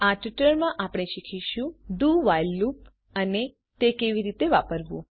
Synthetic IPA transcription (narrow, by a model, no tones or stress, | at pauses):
aʈiʈəɭmãʔapɽ̃eʃikʰiʃũɖuʋajlːup | əne | t̪ekeʋiɾit̪eʋapəɾʋṵ̃